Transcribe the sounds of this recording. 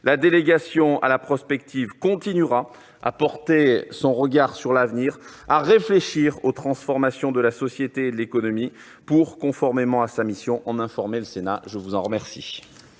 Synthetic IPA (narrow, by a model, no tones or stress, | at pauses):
lad̪eleɡasjɔ̃a̰lapχɔspɛk̚t̪ʰivkɔ̃t̪inyʁa | a̰pɔʁt̪esɔ̃ʁəɡaʁsyʁlavniʁ | aʁefleʃiʁot̪χɑ̃sfɔʁmasjɔ̃d̪əlasɔsjet̪eːd̪əlekɔnɔmi | puʁkɔ̃fɔʁmemɑ̃asamisjɔ̃ʔɑ̃nɛ̃fɔʁmeləsenaʒəvuzɑ̃ʁəmɛʁsḭ